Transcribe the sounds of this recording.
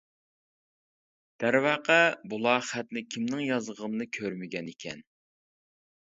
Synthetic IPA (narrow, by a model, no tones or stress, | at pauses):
d̪̥æɾwɑːqɑbulˠɑːχæt̪̚nɪkʲʰimnɪŋjɑzʁʁəmnɨkʲʰøɾmɪɡʲɛnekʲʰɛ̰n